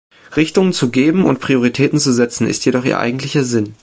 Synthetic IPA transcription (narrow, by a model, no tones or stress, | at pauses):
ʁɪçtʊŋənt͡suɡeːbm̩ʊ̰ntpʁ̥ioʁitʰɛːtn̩t͡suzɛt͡sn̩ɪ̰stjedɔχḭɐʔa̰ɪɡŋ̩tlɪçɐzɪn